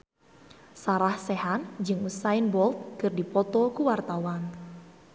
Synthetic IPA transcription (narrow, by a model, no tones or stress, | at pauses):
saɾahsɛɦand͡ʒɨŋusaɪnbɔlt̪̚kərdipɔt̪ɔkuwart̪awan